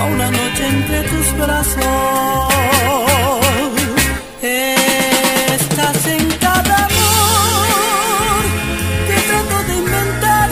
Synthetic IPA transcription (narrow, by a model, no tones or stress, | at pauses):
unanot͡ʃeent̪ɾet̪uzbɾaso | s | e | st̪aseŋkaðamo | ɾ | k̪et̪ɾat̪oðeimbẽnt̪aɾ